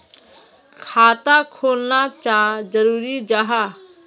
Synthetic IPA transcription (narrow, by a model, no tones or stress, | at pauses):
kʰaːt̪akʰoːlnat͡ʃaːd͡ʒəɾuːɾid͡ʒaɦa